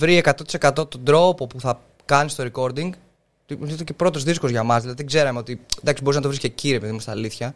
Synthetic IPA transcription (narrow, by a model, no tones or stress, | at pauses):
vɾie̞kɐt̪o̞t̪i̥se̞kɐt̪o̞t̪o̞nd̪ɾo̞po̞puθɐ | kɐnist̪o̞ɾeko̞ɾd̪iŋɡ | t̪iiθecepɾo̞t̪o̞zðiskozʝɐmɐzðilɐðiðiɡze̞ɾɐmeo̞t̪id̪ɐksiboɾiznɐt̪oɾisce̞ciɾiepiðimust̪inɐliθçɐ